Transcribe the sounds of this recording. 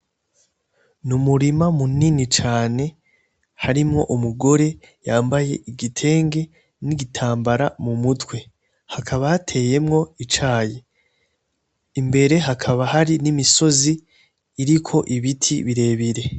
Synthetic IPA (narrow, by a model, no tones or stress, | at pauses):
numuɾimamuninit͡ʃaːne̞ | haɾimŋo̞ʔumuɡo̞ɾe̞ | jaːmbaje̞ʔiɡitʰe̞ːŋɡe̞ | niɡitʰaːmbaɾamumutwe̞ | hakʰaβahatʰe̞ːje̞mŋo̞it͡ʃaːje | imbe̞ɾe̞ɦakʰaβahaɾinimiso̞ziː | ɾikʰo̞ʔiβitʰiβiɾe̞ːβiɾe̞